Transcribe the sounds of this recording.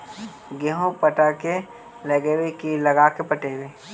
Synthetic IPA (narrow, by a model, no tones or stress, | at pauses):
ɡeɦõpəʈake | leɡewekilɐɡaːkepəʈeːweː